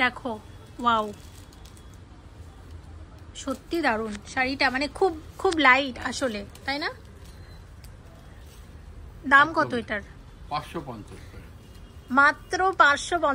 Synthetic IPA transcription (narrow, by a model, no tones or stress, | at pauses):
d̪ɛkʰo | waw | ʃot̪ːid̪aɾunʃaɾiʈamanekʰubkʰublajʈaʃolet̪ajna | d̪amkɔt̪oeʈaɾ | pãʃopɔnt͡ʃoɾ | mat̪ːɾopãɾʃopɔn